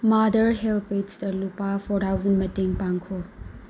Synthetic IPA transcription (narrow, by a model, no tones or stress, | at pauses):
madɐɾɦelpetsdɐlupapʰɔɾtʰawzɐnmɐtiŋpaŋkʰɔl